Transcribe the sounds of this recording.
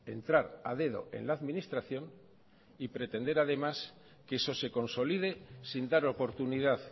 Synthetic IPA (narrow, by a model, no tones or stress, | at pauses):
e̞nt̪ɾaɾa̰ðe̞ð̞o̞̰e̞̰nlaːðmĩnist̪ɾaθjo̞n | ipɾe̞t̪e̞nd̪e̞ɾaðe̞mas | keeso̞se̞ko̞nso̞liðe̞sind̪aɾo̞po̞ɾt̪uniðað